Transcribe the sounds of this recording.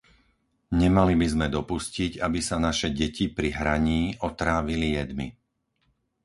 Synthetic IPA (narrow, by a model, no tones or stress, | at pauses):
ɲɛmalibizmɛd̪ɔpusciɟabisanaʃɛɟɛcipɾiɦɾaɲiːʔɔt̪ɾaːʋilijɛd̪mḭ